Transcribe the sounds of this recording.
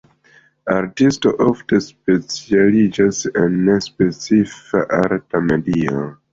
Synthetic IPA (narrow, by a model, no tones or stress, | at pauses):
aɾtisto̞ʔofte̞spe̞t͡sialid͡ʒasenːespe̞t͡sifa̰ʔaɾtamedio̰